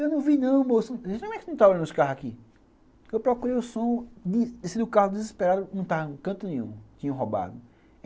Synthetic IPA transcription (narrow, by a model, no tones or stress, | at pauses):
ewnɐ̃w̃vinɐ̃w̃mosenɐ̃m̃ɛkɪnɐ̃w̃t̪avolɐ̃d̪ʊskaɦakĩ | ewpɾɔkuɾejʊsõd̪ɪsẽd̪ʊkahʊd̪ɪzispeɾad̪ʊnɐ̃w̃t̪avɐkɐ̃t̪ʊnẽɲṵ̃t̪ĩɲɐ̃w̃ɦoba̰d̪ʊ